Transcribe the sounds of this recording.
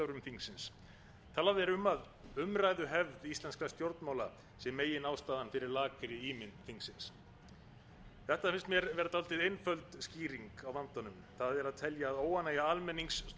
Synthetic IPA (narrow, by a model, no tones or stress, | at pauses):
awɾʏmθiŋsɪns | t̪ʰaːlavɛɾʏmað | ʏmrajðʏɦɛvðist̪lɛnskɾast̪jowɾt̪nmaːwla | sjɛmːeːjɪnaːwst̪aːðanfɪɾɪɾlaːkɾɪiːmɪnt̪θiŋsɪns | θɛht̪afɪnst̪mjɛɾvɛːɾat̪alt̪ɪðejnfœlt̪sciːɾiŋkawvant̪anʏmθaðɛɾaðt̪ʰɛljaːðoːwanːajaalmɛnːiŋks